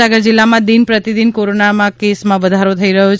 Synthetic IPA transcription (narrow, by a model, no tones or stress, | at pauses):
aɡəɾd͡ʒilːamãd̪inpɾət̪id̪inkoɾonamãkesmãʋəd̪ʱaɾot̪ʰəiɾəɦot͡ʃʰ